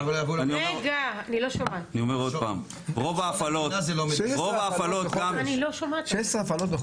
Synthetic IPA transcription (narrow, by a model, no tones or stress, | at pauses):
lvuanioeɡaaniloʃomaanio̞meʁo̞d̪pa̰ːm | ʁovaːfalotazelomʁovaːfalot̪ɡamaniloʃomatʃesaafalot̪e